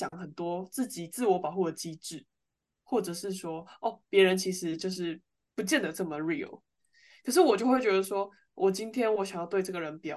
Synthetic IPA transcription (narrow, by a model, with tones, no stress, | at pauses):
jɑ˨˦ŋxə˨˩nt̪wɔ˦˥t͡s̩˥˩t͡ɕi˨˩t͡sɹ̩˥˩wɔ˧˥pɑ˨ʊxu˥˩d̪ə˩t͡ɕi˥ʈ͡ʂɻ̩˥˩ | xwɔ˥˩ʈ͡ʂɤ˨˩ʂɻ̩˥˩ʂwɔ˥ɔ˥˩pjɛ˧˦˥ɻə˧˦nt͡ɕʰi˧˥ʂɻ̩˧˦t͡ɕjo˥˧ʊʂɻ̩˥˩ | pu˧˦t͡ɕjɛ˥˩nd̪ə˨˩ʈ͡ʂɤ˥˩mə˩ɻḭ˨˩l | kʰə˨˩ʂɻ̩˥˩wɔ˨˩t͡ɕjo˥˧ʊxwe˥˩ɪt͡ɕɥɛ˧˥d̪ə˧ʂwɔ˥ | wʔɔ˨˩t͡ɕi˦nt̪ʰjɛ˥nwɔ˧˦˥ɕa˨ŋjɑ˥˧ʊt̪we˥˧ɪʈ͡ʂɤ˥˩ɡə˩ɻə˧˦npjɑ̰˨˩˦